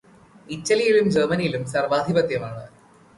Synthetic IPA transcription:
itːɐlijilumd͡ʑeːmɐnijilumsɐrʋaːd̪ʱibɐt̪jɐmaːɳɨ

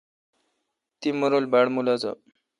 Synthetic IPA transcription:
t̪iməɾolbaɽmulat͡sa̰

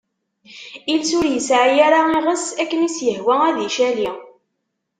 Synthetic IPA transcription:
ilsʊɾjəsʕjaɾaiʁəsækːənisjəhwææðiʃæli

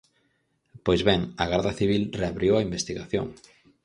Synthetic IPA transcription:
pojzβɛŋɐɣaɾðɐθiβ̞ilreaβɾjowɐimbest̪iɣaθjo̰ŋ

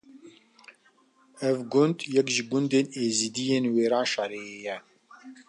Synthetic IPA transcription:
ɛvɡʊnd̪jɛkʒɪɡund̪eːneːzid̪ijeːnweːɾaːnʃɑɾeeːjɛ

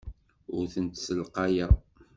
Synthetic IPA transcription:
ʊɾθənt̪səlqɑjæ

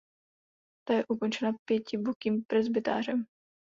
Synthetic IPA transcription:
t̪ajɛʔuko̞nt͡ʃɛnapjɛcɪbukiːmpɾɛzbɪt̪a̰ːr̝ɛm

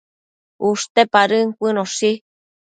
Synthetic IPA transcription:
uʂt̪epaɾɨŋkʷɨnosi

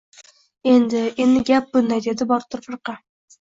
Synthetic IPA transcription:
e̞nd̪ɪend̪ɪɡʲap̚bʊnd̪ajd̪e̞d̪ɪbɒɾt̪ʰʊɾfɨɾqɑ

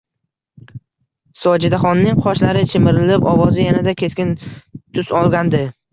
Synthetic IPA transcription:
sɒd͡ʒɪd̪aχɒnːɪŋqʰɒʃlaɾɪt͡ʃʰɪmɪɾɪlɪpɒvɒzɪjanad̪akʲʰe̞skʲɪnt̪ʰʊsɒlˠɡʲand̪ɪ

